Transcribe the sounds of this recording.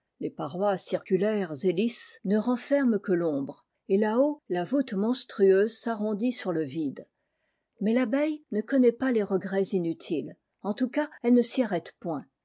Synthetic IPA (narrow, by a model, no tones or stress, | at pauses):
lepaʁwasiʁkʲylɛʁzelisnəʁɑ̃fɛʁmkəlɔ̃bʁ | elaolavut̪mɔ̃st̪χyøːzsaʁɔ̃d̪isyʁləvid̪ | mɛlabɛjnəkɔnɛpaleʁəɡʁɛzinyt̪ʰil | ɑ̃t̪ukaɛlnəsiaʁɛt̪pwɛ̃